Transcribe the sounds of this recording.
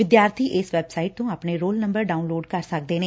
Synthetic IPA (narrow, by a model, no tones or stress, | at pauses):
ʋɪd̪jaːɾt̪ʰiːʔɪsʋɛːbsaːɪiʈ̚t̪õːaːpɳeːɾoːlnə̃mbəɾɖaːunloːɖkəɾsək̚d̪eːneː